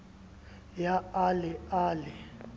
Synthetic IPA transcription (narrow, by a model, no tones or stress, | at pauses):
jaalɛaːlɛ